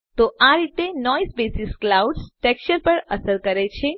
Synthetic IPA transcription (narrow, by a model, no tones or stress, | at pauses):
t̪oaɾit̪enɔizbesisklauɖsʈɛkʃəɾpəɾəsəɾkəɾet͡ʃʰe